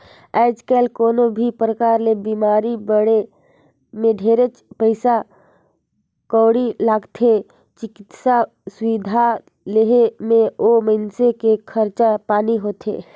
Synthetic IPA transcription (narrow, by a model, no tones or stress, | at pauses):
ɛːd͡ʒkɛːlkoːnobʱipɾəkaːɾlebimaːɾibəɽe | mẽɖʱeːɾet͡ʃpəɪsa | kɔːɽilaːɡt̪ʰe | t͡ʃɪkɪt̪sa | sʊʋid̪ʱa | leɦmẽoməɪnsekekʰəɾt͡ʃapaːniɦoːt̪ʰḛː